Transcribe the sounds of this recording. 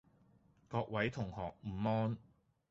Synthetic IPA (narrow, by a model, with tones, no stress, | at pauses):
kɔː˧k̚wɐ˨˥jt̪ʰʊ˨˩ŋhɔː˨k̚m̩ː˨˩mɔː˥n